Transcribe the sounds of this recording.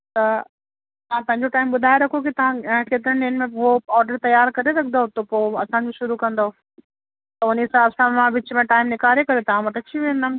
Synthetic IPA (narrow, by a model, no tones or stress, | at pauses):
t̪ɐ | ɐʋãpɐ̃ɦɪ̃ɲd͡ʑoʈaːɪmɓʊd̪ʱaːeɾɐkʰokit̪ɐʋ̤ãkeːt̪ɪɾənɗeːnmẽɦoɔːɾɖəɾt̪ɐjaːɾkɐɾeɾɐkʰənd̪aɦot̪opoːɐsãd͡ʑoʃʊɾukɐ̃nd̪ao | t̪ɐʊniɪsaːbsãmãʋɪt͡ɕmẽʈaːɪmnɪkaːɾekɐɾet̪ɐʋ̤ãʋɐt̪ɐt͡ɕʰiʋẽːnd̪əm